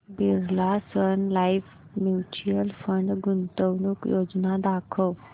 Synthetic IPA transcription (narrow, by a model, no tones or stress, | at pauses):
bɪɾlaːsənlaːipʰ | mjuːt͡ʃiəlpʰəɳɖɡʊnt̪əwnũkjoːd͡ʒnaːd̪aːkʰoː